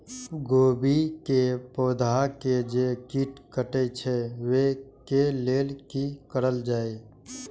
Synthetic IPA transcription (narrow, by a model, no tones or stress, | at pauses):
ɡoːbikepod̪ʱaked͡ʒekiʈkəʈɛt͡ʃʰɛʋekeleːlkikəɾəld͡ʒaːe